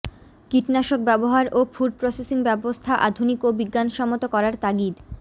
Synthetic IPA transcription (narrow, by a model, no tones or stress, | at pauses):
kiʈnaʃok̚bɛboɦaɾʔofuɖ̚pɾosesiŋbɛbost̪ʰaʔa̰d̪ʱunikobiɡːanʃɔmot̪okɔɾaɾt̪aɡid̪